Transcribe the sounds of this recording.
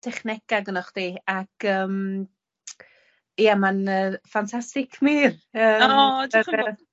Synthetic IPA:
d̥ʰɛχnɛkaɡənɔχd̥iːakʰəːm | ijamanəːfantʰastɪkʰmiːrəːɔd

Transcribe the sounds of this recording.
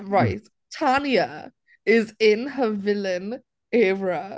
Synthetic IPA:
ɹaɪt | tʰanjə | ɪzɪ̃nɦəvɪlə̃n | ɛːɹə

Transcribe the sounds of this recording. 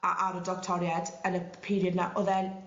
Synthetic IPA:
a̰ʔaɾɔdɔktʰɔɾjadənəpʰiɾjədnaʔɔðɛn

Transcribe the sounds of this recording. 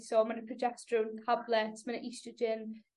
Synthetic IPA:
sɔmanəpʰɹɔd͡ʒɛkstɹuntʰablɛtsmanəʔistəd͡ʒɪn

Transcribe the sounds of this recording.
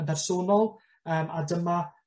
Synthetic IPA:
ndɛrsoːnɔlˠ | əːmadəma

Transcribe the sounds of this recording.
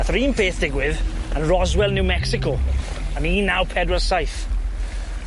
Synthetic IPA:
aθriːnfeːθd̥ɪɡwɪðə̃nɹɔzwɛlˠnɪwmɛksɪko | ə̃niːnːawpʰɛdəsajθ

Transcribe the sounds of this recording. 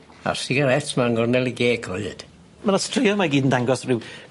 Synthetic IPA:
a̰sɪɡaɾɛtʰmaŋɡɔrnɛlˠiɡeːɡʰɔɨd̥ | manastʰrɪjɔmaɡiːdən̩daŋɡɔsrɪw

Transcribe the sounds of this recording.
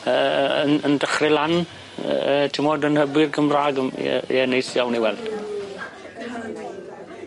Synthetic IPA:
əːəənəndəχrɪlan̰ | ətʰɪmodənhəbwɪrɡəmraːɡə̰ɛnejsjawniwɛld̥

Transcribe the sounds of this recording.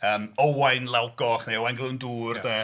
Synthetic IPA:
əːmowajnlˠawɡɔχnejowajnɡlˠɨnduːrdə

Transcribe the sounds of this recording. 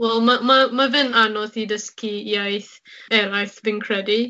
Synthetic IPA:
wɛlˠmamamavɪnanɔθidəskʰiiajθ | ɛɾajθvɪnkʰrɛdi

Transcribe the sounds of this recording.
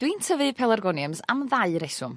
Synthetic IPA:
d̥wintʰəvɨpʰɛlˠarɡɔnjəmsa̰mðaɨɾɛsʊm

